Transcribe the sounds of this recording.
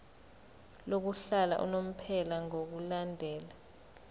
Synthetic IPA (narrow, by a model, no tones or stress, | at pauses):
lok̬uɬala̰ʔṵnom̩pʰɛlaŋok̬ulandʱɛːla